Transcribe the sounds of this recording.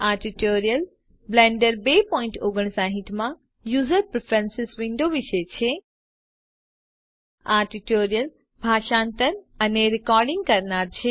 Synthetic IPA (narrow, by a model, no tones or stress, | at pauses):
aʈiʈoɾijəl | blɛ̃ɳɖəɾbepɔĩɳʈoɡəɳ̃saɦit̪mã | juzəɾpɾfʰɾɛ̃nsɪsʋiɳɖoʋiʃet͡ʃʰe | aʈiʈoɾijəl | bʱaʃãnt̪əɾəneɾikɔɾɖĩŋɡ̚kəɾnaɾt͡ʃʰe